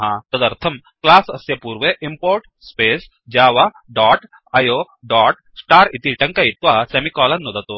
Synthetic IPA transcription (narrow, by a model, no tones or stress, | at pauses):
ɦãːt̪ɐd̪ɐɾt̪ʰɐm | klaːsɐsjɐpuːɾʋeʔimpoːɾʈ | speːs | d͡ʒaːʋa | ɖaːʈ | ɐjoː | ɖaːʈ | sʈaːɾit̪iʈɐ̃ŋkait̪ʋaːsemikɔːlɐnːod̪ɐt̪o